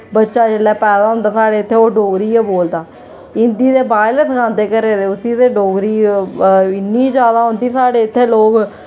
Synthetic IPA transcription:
bətːʃaːd͡ʒelːɛːpɛːd̪aːɦʊ̃nd̪aːsaːɽeːɪt̪ʰːeːoːɖoːɡɾiːɛːboːld̪aː | ɪnd̪iːd̪eːbaːɪleːskʰãːnd̪eːkəɾeːd̪eːʊsiːd̪eːɖoːɡɾiː | ɪnːiːd͡ʒjaːd̪aːɦʊ̃nd̪iːsaːɽeːɪt̪ʰːeːloːk

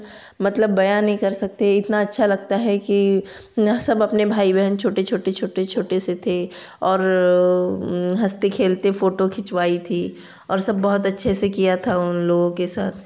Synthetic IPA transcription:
mɐt̪ləbːɐjaːnːɦĩkɐɾsɐk̚t̪eɛɪt̪naɐtːʃʰalɐɡ̚t̪aɦɛki | sɐbɐpnebʱaːibɛɦənt͡ʃʰoːʈet͡ʃʰoːʈet͡ʃʰoːʈet͡ʃʰoːʈeset̪ʰe | ɔːɾ | ɦɐst̪ekʰeːlt̪efoːʈokʰɪt͡ʃwaːit̪ʰi | ɔːɾsɐbːɔɦʊt̪ɐtːʃʰesekijat̪ʰaʊnloːɡõkesa̰ːt̪ʰ

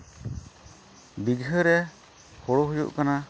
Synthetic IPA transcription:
biɡɦəɾɛ | hɔɽɔɦujṵʔkana

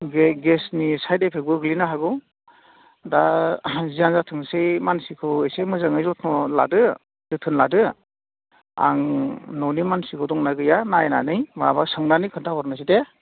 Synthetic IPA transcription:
ɡɡesnisajdepʰek̚bɯɡɯlinaɦaɡɯw | dazianzatʰɯŋsejmansikʰɯwejsemɯzɯŋɯjzɔtʰnɔla̰dɯ | zɯtʰɯnladɯ | a̰ŋnɔnimansikʰɯdɔŋnaɡɯjanajna̰nɯjmabasɯŋnanɯkʰɯntʰaɦɔɾnɯs̬ite

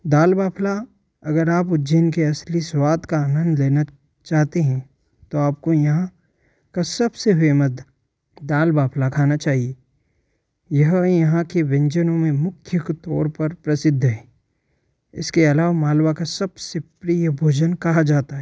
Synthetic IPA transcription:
d̪aːlbaːpʰla | ɐɡəɾaːp̬ʊd͡ʒenkeɐsliswaːd̪kaaːnə̃nd̪leːna | t͡ʃaːɦt̪eɦɛ̃ | t̪oaːp̚kojɐɦã | kasɐbseʋeːmət̪ | d̪aːlbaːpʰlakʰaːnat͡ʃaːɦie | jɐɦjɐɦãkeʋɪ̃ɲd͡ʒənõmẽmʊkʰjəkt̪ɔːɾpɐɾpɾɐsɪd̪ʱːɦɛ̃ː | ɪ̰skeɐlaːʋamaːlwakasɐbsepɾiːjəbʱoːd͡ʒənkɐɦad͡ʒaːt̪aɦɛː

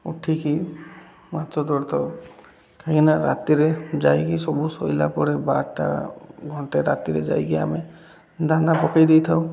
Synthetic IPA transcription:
ṵʈʰːiki | mat̪ɾɔd̪ɔɾt̪ɔ | kʰakinaɾa̰t̪iɾed͡ʒajkisɔbusɔjla̰pɔɾɛbaɾʈa̰ɡʱɔɳʈeɾa̰t̪iɾɛ̰d͡ʒa̰jɡia̰me | d̪anabɔkajd̪ejt̪ʰaw

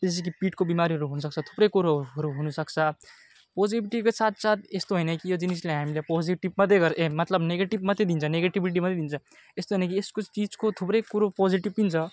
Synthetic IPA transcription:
es̬ik̬ipiʈkobimaɾiɦəɾuɦunusəkt͡sʰʌt̪ʰu̥pɾekuɾoɦʌɾuɦunusʌkt͡sʰʌ | poziʈbiʈikesat̪̚ʰsat̪̚ʰest̪oɦojnəkijod͡ʒinisleɦamilepoziʈibmʌd̪eɡʌɾemʌt̪ləbneɡeʈibmət̪ed̪int͡sʰneɡeʈibiʈimʌt̪ed̪int͡sʰʌ | est̪oɦəjnəkieskot͡ʃid͡zkot̪ʰupɾekuɾopɔziʈib̚p̪int͡ʃʰʌ

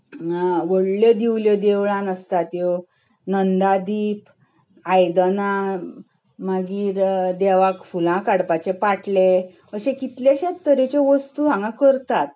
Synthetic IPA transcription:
ʋəɽljɔd̪iwljəd̪eʋɭãnəst̪at̪jɔ | nənd̪ad̪iːp | ajd̪ənã | maɡiːɾd̪ɛʋakfulãkaɽpat͡ɕepaʈle | əɕẽkit̪ljaɕet̪ːəɾet͡ɕeʋəst̪uɦãŋɡãkəɾt̪at̪̚

